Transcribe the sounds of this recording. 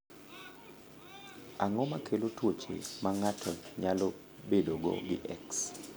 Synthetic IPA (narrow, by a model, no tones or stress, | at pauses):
aŋɔmakʰelotʰwot͡ʃḛmaŋatʰɔɲalɔ | bedoɡo̰ɡɪ̰ʔɛks